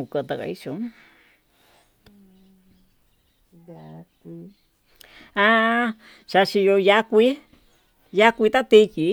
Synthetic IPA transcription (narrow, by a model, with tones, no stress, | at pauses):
u˧˨kə˧t̪a˧ka̰˧i˦ʃo˨˦ | ki˧ | ã˧ | ʃa˧ʃi˧jo˧ja˧kʷi˧˦ | ja˦kʷi˧t̪a˦t̪i˧ki˨˦